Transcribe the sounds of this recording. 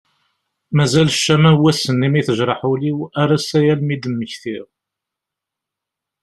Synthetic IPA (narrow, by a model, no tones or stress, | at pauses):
mæzælʃːæmæwæsənːimiθəʒɾˤɑħuliwæɾˤæsæjælmid̪əmːəçθiʁ